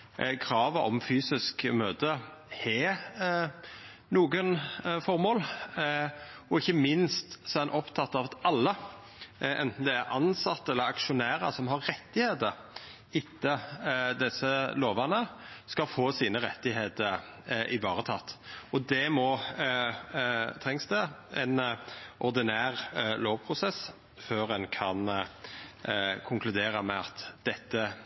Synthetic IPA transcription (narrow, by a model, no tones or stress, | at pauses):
kʰɾɑːʋəʔɔ̰mfyːsɪskmøːd̪ə | hɛ | nuːɡənfɔɾmoːl | ɔɪçːəmɪnst̪sɔɛnʔɔpt̪ʰɑt̪ːɑʋɑt̪ɑlːə | ʔɛ̰nt̪n̩d̪ɛæɾʔɑnsɑt̪ːəɛlːəɾɑkʃʊnæːɾə̰sɔmɦɑɾːɛt̪ːɪheːd̪əɾ | ɪt̪ːəd̪ɛsːəloːʋɑnəskɑlfoːsiːnəɾɛt̪ːɪɦeːd̪əɾ | ʔɪʋɑːʁət̪ʰɑt̪ːɔd̪ɛmɔ | t̪ʰɾɛŋsd̪ɛɛnʔɔʁd̪ɪnæːʁloːʋpʰɾʊsɛs | føːɾɛnkʰɑn | kʰʊŋkʰlʉd̪eːɾɑmɛɑt̪d̪̥ɛt̪ːə